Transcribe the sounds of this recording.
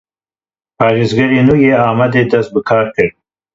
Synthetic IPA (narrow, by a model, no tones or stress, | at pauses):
pɑːɾizɡaɾinuɡeɑːmad̪ed̪ɐs̚bəkʰɑːɾkəɾ